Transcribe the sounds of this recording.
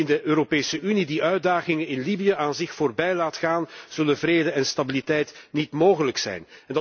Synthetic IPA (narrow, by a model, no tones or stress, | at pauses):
ɪndəʔøːɾopeːsəʔynidiʔœɥ̚daːɣɪŋənɪnlibijəʔaːnzɪxfoːrbɛjlaːtxaːnz̥ɵlənvreːdəɛnstabilitɛjtnitmoːɣələksɛ̰jnɛnd